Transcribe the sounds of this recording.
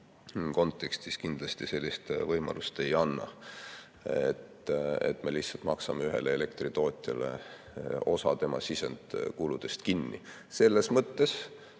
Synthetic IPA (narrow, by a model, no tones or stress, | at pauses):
ko̞nt̪ˑːe̞kst̪iskind̪̥lɑst̪ise̞lʲːist̪vɤjmɑ̰lust̪e̞jɑnːɑ̰ | ḛt̪e̞̰t̪ːˑme̞lihtsɑlt̪mɑksɑmeyɦe̞̰leele̞kt̪rit̪o̞ːt̪ʲˑjɑ̰lḛ | o̞sɑt̪e̞mɑ̰sisend̪̥kulud̪̥e̞st̪kinːḭ | se̞lːe̞smɤt̪ːe̞s